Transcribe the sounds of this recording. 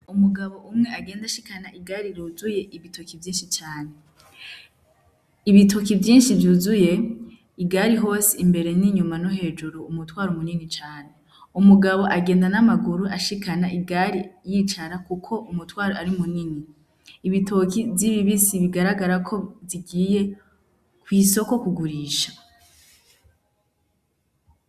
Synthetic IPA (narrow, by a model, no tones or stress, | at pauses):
umuɡaβo̞ʔumŋe̞aɡe̞ːndaʃi̥kanaʔiɡaːɾiɾuːzuje̞ʔiβitʰokivjiːnʃit͡ʃaːne̞ | iβitokivjiːnʃivjuːzuje̞ | iɡaːɾiɦo̞ːsiːmbe̞ɾe̞niɲumanoɦe̞ːd͡ʒuɾuːmutwaːɾumuninit͡ʃaːne̞ | umuɡaβo̞ʔaɡe̞ːndanamaɡuɾuʔaʃikanaʔiɡaɾijiːt͡ʃaɾakukʰo̞ʔumutwaːɾoaɾimuniniː | βitʰokiviβiβisiβiɡaɾaɡaɾakʰo̞ziɡiːje̞ | kwiːso̞ko̞kuɡuɾiːʃḁ